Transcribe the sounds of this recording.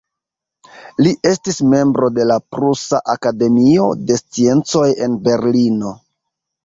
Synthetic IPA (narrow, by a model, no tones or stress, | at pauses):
liʔe̞stisme̞mbɾo̞de̞lapɾusaʔakade̞mio̞de̞st͡sie̞nt͡so̞je̞nbe̞ɾlino̞